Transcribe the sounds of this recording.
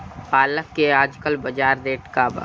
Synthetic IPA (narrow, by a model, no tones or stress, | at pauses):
paːləkːeaːd͡ʒkəlbɐd͡ʒaːɾd̪eːʈkaːbə̰